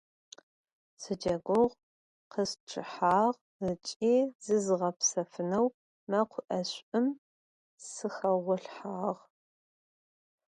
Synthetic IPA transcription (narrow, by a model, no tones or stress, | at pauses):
sɨd͡ʒɐɡʷʊʁ | qəsʈ͡ʂʰɨ̰ħaːʁ | ət͡ʃʼiːzɨzɨʁɐpsɐfɨnɐw | mɐqʷʰʊʔɐɕʷʼɨm | sɨxɐʁʷʊɬħaːʁ